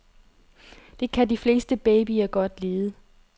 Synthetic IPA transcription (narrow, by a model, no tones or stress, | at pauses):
d̥e̝kʰædifle̝̰ːsd̥əb̥eːb̥iɐɡ̥ɒ̽d̥le̝ːð̩ˠə